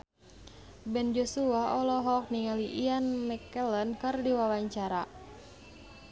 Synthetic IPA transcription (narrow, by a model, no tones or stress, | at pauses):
bɛnd͡ʒɔsuaɔlɔɦɔk̚niŋaliʔianmɛkɛlənkɨrdiwawaɲt͡ʃaɾa